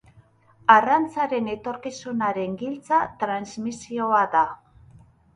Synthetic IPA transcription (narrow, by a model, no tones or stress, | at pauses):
arant͡saɾe̞ne̞t̪o̞ɾkisunaɾe̞ŋɡilt͡sat̪ɾanzmisio̞aða